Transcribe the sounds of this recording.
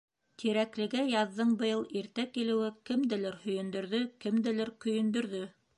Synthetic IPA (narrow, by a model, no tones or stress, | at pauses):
t̪ʰiɾæklɘ̆ɡæjɑðːɤɴbɤ̆jɤlˠiɾt̪ækilɘ̆wɘkɘ̆md̪ɘlɘɾhɵ̆jɵ̆nd̪ɵ̆ɾðɵkɘ̆md̪ɘ̆lɘɾkɵ̆jɵ̆nd̪ɵ̆ɾðɵ